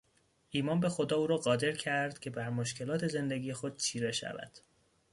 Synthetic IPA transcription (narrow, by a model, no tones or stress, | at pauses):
ʔiːmɒːnbe̞xo̞d̪ɒːuːɾɒːɢɒːd̪e̞ɾcʰæɾd̪̥cʰʲe̞bæɾmoʃcʰe̞lɒːt̪ʰe̞ze̞nd̪e̞ɡiːjexo̞d̪̥̚t͡ʃʰiːɾeʃæ̰væ̰d̪̥